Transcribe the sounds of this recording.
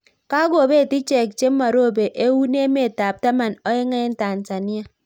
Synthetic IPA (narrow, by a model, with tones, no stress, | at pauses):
ka˦ɡo˦˨be˦˨ti˦t͡ʃe˨k̚t͡ʃe˦ma˨ɾo˦˨be˨ʔe˦wu˦ne˦me˦˨ta˨p̚ta˦ma˨nɔ˦ji˦ŋe˦n̩˦ta˨n̩˨ta˨nja˦